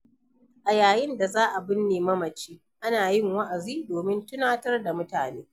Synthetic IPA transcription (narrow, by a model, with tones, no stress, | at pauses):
ʔa˨jaː˨jɪ˦nda˨zaː˦ʔa˨bɪ˦nːeː˨mɐ˦mɐ˨t͡ʃiː˦ | ʔa˦naː˨jɪ˦˨ŋwɐ˦ʔa˨ziː˦doː˨mɪ˦ntʊ˦naː˦tɐ˦rda˨mʊ˦taː˨neː˦